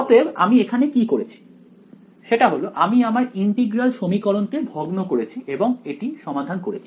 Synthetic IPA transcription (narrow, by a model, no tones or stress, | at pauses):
ɔt̪eba̰miekʰanekikoɾet͡ɕʰi̥ | ʃeʈaɦoloʔamiamaɾiɳʈiɡɾalʃomikɔɾonkebʱoɡnokoɾet͡ɕʰiʔeboŋeʈiʃɔmad̪ʱankoɾḛt͡ɕʰi̥